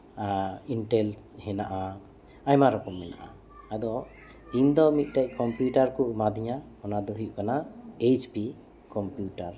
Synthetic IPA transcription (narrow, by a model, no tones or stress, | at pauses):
iɳʈɛl | hɛnaʔa | ajmaɾɔkɔmːɛna̰ʔa | ad̪ɔ | iɲd̪ɔmit̪̚ˀʈac̚kɔmpjuʈaɾkuʔmad̪iɲa | ɔnad̪ɔɦujuʔkanaet͡ʃpi | kɔmpjuʈaɾ